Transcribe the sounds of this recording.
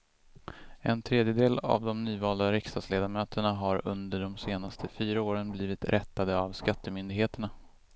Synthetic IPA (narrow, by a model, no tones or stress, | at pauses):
ɛnt̪ʰɾeːd̪jəd̪eːla̰vd̪ɔmnyːvɑːld̪aɾɪkst̪ɑːd̪sleːd̪amøːt̪ʰəɳaɦaɾɵ̰nd̪əɖɔmseːnast̪ʰəfyːɾaoːɾənbliːvɪt̪ɾʔɛt̪ːad̪əavskat̪ːəmʏnd̪ɪɡheːt̪əɳa